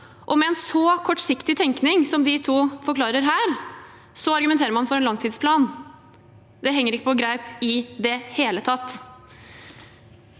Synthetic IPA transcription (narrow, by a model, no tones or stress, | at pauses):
ʔɔmɛɛnsɔkʰɔʈːsɪkt̪ɪt̪ʰɛŋknɪŋsɔmd̪ɪt̪ʰuːfɔɾklɑːɾəɾɦæːɾ | sɔɑɾɡʉmɛnt̪eːɾəɾmɑnfɔɾɛnlɑŋt̪ʰiːd̪spʰlɑːn | d̪ɛɦɛŋːəɾɪkːəpɔɡɾæɪpɪd̪ɛheːlət̪ʰɑt̪ː